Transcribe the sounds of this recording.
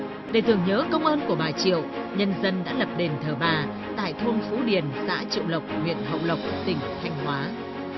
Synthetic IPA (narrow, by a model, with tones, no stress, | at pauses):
ɗe˧˩t̪ɨ˨˩əŋɲəː˨˦kə˧wŋ͡mʔəː˧nku˧˩əɓaː˨˩t͡ɕḭ˧˨ə˨wɲə˧nzə˧nɗa̰ː˧˥lə˨˩p̚ɗe˨˩nt̪ʰəː˧˩ɓaː˨˩ | t̪a̰ː˧˨jt̪ʰo˧nfu˨˦ɗi˨˩ənsa̰ː˧˥t͡ɕḭ˧˨əwlə˨˩wk͡p̚hwḭ˧˨ənɦə̰˧˨wlə˨˩wk͡p̚t̪ï˨˩ŋ̟t̪ʰa˧jŋ̟ɦwaː˨˦